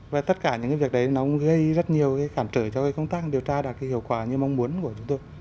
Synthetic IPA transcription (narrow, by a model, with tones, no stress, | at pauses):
vaː˨˩t̪ə˦˥t̚kaː˧˩ɲɨ̰˧˥ŋkaː˨˦vi˨˩ək̚ɗə˨˦jnɔ˨˦kɣə˧jzə˦˥t̚ɲi˨˩əwkaː˨˦jxaː˧˩mt͡ɕəː˧˩t͡ɕɔ˧kaː˨˦kə˧wŋ͡mt̪aː˦˥k̚ɗi˨˩əwt͡ɕaː˧ɗaː˨˩k̚kaː˨˦hi˨əwkwaː˧˩ɲɨ˧ma˧wŋ͡mmu˨˦ənku˧˩ət͡ɕʊ˨˦ŋ͡mt̪o˧j